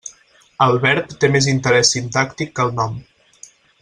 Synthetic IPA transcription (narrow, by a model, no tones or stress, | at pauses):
əlˠβɛɾt̪ːemezint̪əɾɛsːint̪akt̪ikːəlˠnɔm